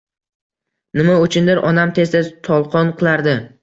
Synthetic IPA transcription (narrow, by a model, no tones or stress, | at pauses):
nɪmaʊt͡ʃʰɪnd̪ɪɾʔɒnamt̪ʰe̞sd̪at̪ʰɒlˠqʰɒnqʰɨlˠaɾd̪ɪ